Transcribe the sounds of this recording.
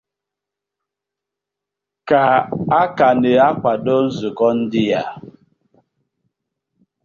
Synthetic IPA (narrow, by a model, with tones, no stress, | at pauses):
ka˨a˦ka˨nɛ˨a˦kʷa˨dɔ˦n̩˦zu˨kɔ˦n̩˦di˦ja˨